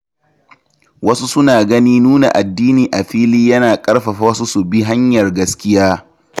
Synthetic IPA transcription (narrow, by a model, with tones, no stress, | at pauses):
wɐ˦su˦sʊ˦naː˨ɡɐ˦niː˦nuː˦na̰˨ʔa˨dːiː˦niː˨ʔa˨ɸiː˦liː˦jɐ˦naː˨kʼɐ˦ɽɸɐ˨ɸwɐ˦su˦su˨bi˦ɦa˦ɲjɐ˨rɡɐ˦skʲɪ˦jaː˦